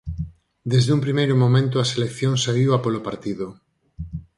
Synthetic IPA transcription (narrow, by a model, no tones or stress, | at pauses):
d̪ezðumpɾimejɾomomẽnt̪ʊaselekθjoŋsaiwapolopaɾt̪iðo